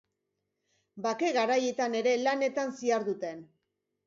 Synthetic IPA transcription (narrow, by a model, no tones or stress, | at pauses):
bake̞ɣaɾaje̞t̪ane̞ɾe̞lane̞t̪ansiaɾðut̪e̞n